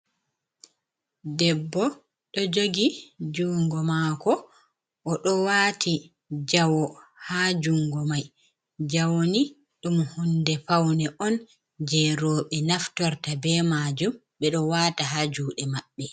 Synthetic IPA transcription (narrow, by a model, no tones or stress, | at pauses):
dɛbːɔ | ɗɔd͡ʒoɡid͡ʒuŋɡɔmaːkɔ | ʔːɗɔwaːtʰi | d͡ʒawɔhad͡ʒuŋɡɔmaj | d͡ʒawoni | ɗumhundɛpawnɛʔɔn | d͡ʒɛɾɔɓɛnaftɔɾtabɛmad͡ʒum | ɓɛɗɔwaːtaɦad͡ʒuːɗɛmaɓːɛ